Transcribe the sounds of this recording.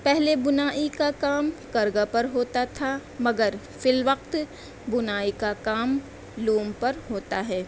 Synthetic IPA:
pɛɦlebʊnaːʔikakaːmkɐɾɡapɐɾɦoːt̪at̪ʰamɐɡəɾ | fɪlʋɐqt̪ | bʊnaːikakaːm | luːmpɐɾɦoːt̪aɦɛː

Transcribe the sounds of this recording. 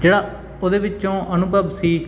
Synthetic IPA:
d͡ʒeːɽaː | oːd̪eːʋɪt͡ʃt͡ʃõːʔənʊbəbsiː

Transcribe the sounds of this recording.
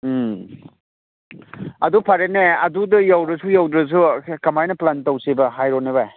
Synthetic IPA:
ɐdupʰɐɾeneɐdudɐjawdɾɐsujawdɾɐs̬ukɐmajnɐplantɐwsibɐɦajɾonebaj

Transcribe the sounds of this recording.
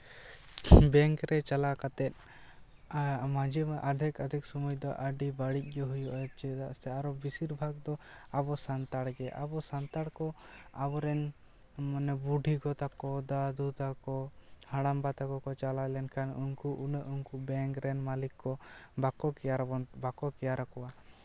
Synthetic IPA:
bɛŋkɾɛt͡ʃalakat̪ɛt̪̚ˀ | mãd͡ʒiʔad̪ʱɛkəd̪ʱik̚sɔmujd̪ɔʔəɖibaɽic̚ˀɡɛɦujuʔat͡ʃɛd̪a̰ʔsɛaɾɔbisiɾbʱaɡd̪ɔabɔsant̪aɽɡɛʔa̰bɔsant̪aɽkɔabɔɾɛn | manɛbuɖʱikɔt̪akɔd̪ad̪ut̪akɔhaɽambat̪akɔkɔt͡ʃalalɛnkʰanunkuʔunəʔuŋkubɛŋkɾɛnmalikːɔbakɔkɛjaɾɔbakɔkɛjaɾakɔwa

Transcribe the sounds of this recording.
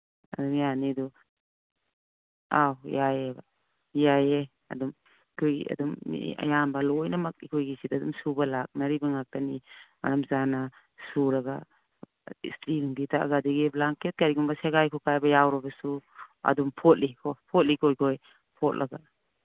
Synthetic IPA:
ɐdumjanidu | awjajeba | jaje | ɐ̰dum | ikʰojḭɐ̰dum̰a̰jambɐlojnamɐk̚ikʰojɡisitɐdumsubalak̚nɐɾibaŋak̚tanima̰ɾamzana | suɾɐɡa | ḭstilŋbitʰa̰ɡadiɡiblaŋket̚kaɾiɡumbaseɡajkʰɔkajbɐjawɾɔbasuɐ̰dumpʰɔt̚likʰɔpʰɔt̚likʰojkʰoj | pʰɔt̚laɡa

